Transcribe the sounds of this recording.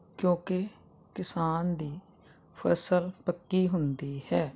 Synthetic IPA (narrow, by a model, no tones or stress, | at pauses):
kjõːkɪ | kɪsaːnd̪iː | pʰəsəlpəkːiːɦʊnd̪iːhɛː